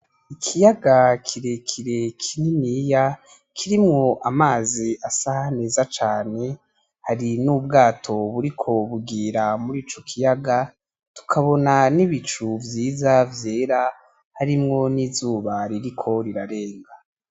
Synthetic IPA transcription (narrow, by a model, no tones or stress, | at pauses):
ikʰijaɡakʰiɾekʰiɾe̞kʰininiːja | kʰiɾimŋo̞ʔamaːziasahane̞ːzat͡ʃaːne̞ | haɾinuːbɡaːtʰo̞βuɾikʰo̞βuɡiːɾamuɾiːt͡ʃo̞kʰijaɡa | tu̥kʰaβo̞naniβit͡ʃuvjiːzavje̞ːɾa | haɾimŋo̞nizuːβaɾiɾikʰo̞ɾiɾaɾe̞ːŋɡa